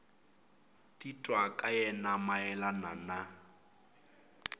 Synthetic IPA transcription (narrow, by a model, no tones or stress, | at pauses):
titʼwakʼajɛnamaɛlanana